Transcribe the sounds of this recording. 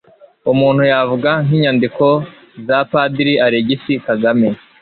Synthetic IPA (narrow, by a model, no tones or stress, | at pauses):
umuːn̥hujavuɡaŋiɲandiko̞ | zapadiɾiʔaɾeɟisikaɡame